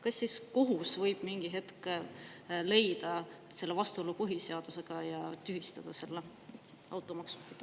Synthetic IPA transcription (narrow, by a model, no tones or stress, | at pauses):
kɑsːiskoɦusvɤjb̥miŋɡ̥iɦe̞t̪k | le̞jd̪̥ɑse̞lːevɑst̪uolːupuɦise̞ɑd̪̥use̞ɡ̥ɑjɑt̪yɦist̪ɑd̪̥ɑse̞lːe | ɑ̰wt̪ːˑo̞mɑksu̥mit̪ː